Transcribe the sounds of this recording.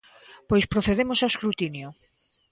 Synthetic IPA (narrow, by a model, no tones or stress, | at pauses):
pojspɾoθeð̞emosaweskɾut̪injo